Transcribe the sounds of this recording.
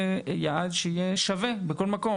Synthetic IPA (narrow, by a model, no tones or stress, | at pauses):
jaʕad̪ʃeijeʃavebeko̞lmako̞